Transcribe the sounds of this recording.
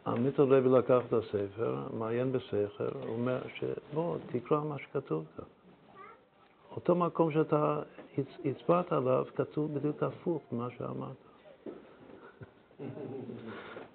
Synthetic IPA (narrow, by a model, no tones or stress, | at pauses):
a̰mitolevilakaχatasefe̞̰ʁmaajenbeseχe̞̰ʁo̰meʁʃḛbot̪ʰikʁamaʃe̥katuvkʰan | ot̪o̞mako̞mʃ̬eat̪ait͡sit͡sbat̪aalavkatuvbid̪jukafuχbimaʃḛa̰ma̰ʁt̪ʰḁ